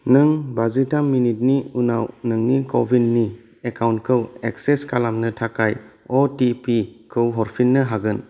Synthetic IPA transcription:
nɯŋbazitamːinit̚niuna̰wnɯŋnikobʱidni | ekawntkʰɯwekseskalamnɯtʰakajɔtipikʰɯwɦɔɾpʰinːɯɦaɡɯn

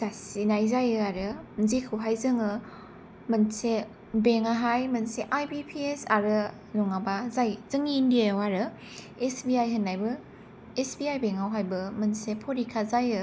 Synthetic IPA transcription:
z̥asinajzajɯaɾɯnzikʰɯwɦajzɯŋɯ | mɯnse | beŋaɦajmɯnseʔajpipʰiesaɾɯ | luŋabazajzɯŋiːndiawaɾɯ | esbiajɦənːajbɯ | esbiajbeŋawɦajbɯmɯnsepʰoɾikʰazajɯ

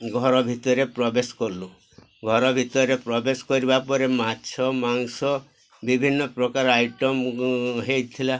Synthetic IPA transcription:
ɡʱɔɾɔbʱit̪ɔɾepɾɔbeskɔɾlu | ɡʱɔɾɔbʱit̪ɔɾepɾɔbeskɔɾibapɔɾematːt͡ʃʰɔmaŋsɔ | bibʱinːɔpɾɔkaɾɔajʈɔmɦejt̪ʰila

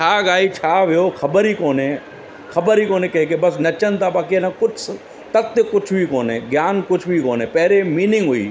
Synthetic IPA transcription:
t͡ʃʰaːɡaːit͡ʃʰaːʋɪjoːxʰɐbəɾiːkoːnẽː | xʰɐbəɾiːkoːneːkɐɦekebɐsnɐt͡ʃənt̪abaːkielãkʊt͡ʃʰ | t̪ɐt̪ːekʊt͡ʃʰbʱikoːneːɡjaːnkʊt͡ʃʰbʱikoːneːpɛɦɾemiːnɪ̃ŋɡɦʊḭː

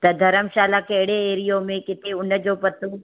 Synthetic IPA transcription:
t̪ɐd̪ʱɐɾəmʃaːlakɐɦɪɽeeːɾijomẽkɪt̪ʰeʊnd͡ʑoːpɐt̪u

